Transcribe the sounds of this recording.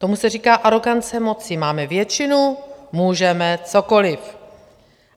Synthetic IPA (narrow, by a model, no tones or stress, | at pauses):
t̪o̞musɛriːkaːʔaɾo̞ɡant͡sɛmo̞t͡sɪmaːmɛvjɛt͡ʃɪnumuːʒɛmɛt͡so̞ko̞lɪf